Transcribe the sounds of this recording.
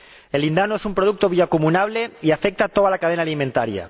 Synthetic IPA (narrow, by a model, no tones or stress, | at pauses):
elːind̪anoesumpɾoð̞uk̚t̪oβjakumunaβ̞leiafek̚t̪at̪oðalakaðenalimẽnt̪aɾja̰